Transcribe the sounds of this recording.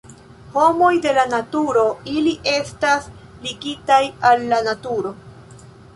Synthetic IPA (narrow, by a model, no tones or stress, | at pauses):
ho̞mo̞jde̞lanatuɾo̞iliʔe̞stas | liɡitajalːanatuɾo̞